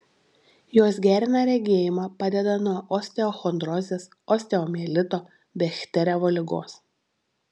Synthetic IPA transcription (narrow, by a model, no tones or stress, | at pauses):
joːs̬ɡʲæːɾʲɪnɑɾʲɛɡʲeɛjɪmɑːpɑːd̪ʲɛd̪ɐnuɔʔɔːsʲt̪ʲɛɔxɔnd̪ɾɔːzʲeːs | ɔːsʲt̪ʲɛɔmʲeːlʲɪt̪oː | bʲɛxʲt̪ʲɛɾʲɛʋoːlʲɪɡo̰ːs